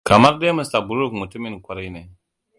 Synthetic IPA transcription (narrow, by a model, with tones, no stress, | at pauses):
ka˨ma˦ɾde˦mə˨sa˨bu˨ɾu˦˨kmu˨tu˦mi˦nkʷa˨ɾa˦jne˨